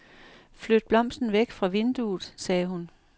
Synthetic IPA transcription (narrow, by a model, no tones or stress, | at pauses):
flød̥̚b̥lɒ̽m̰sn̩ʋeɡ̥fʁɑ̈ʋe̝nd̥uð̩ˠsɛːhun